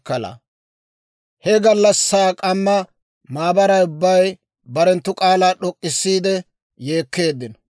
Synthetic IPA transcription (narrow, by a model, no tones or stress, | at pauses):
ɐla̰ | hɛɡɐlːɐsːaːkʼɐmːɐ | maːbɐɾɐjʊbːɐj | bɐɾɛnt̪ːʊkʼaːlaːɗɔkʼːɪsːiːd̪ɛ | je̞ːkːe̞ːd̪ːɪn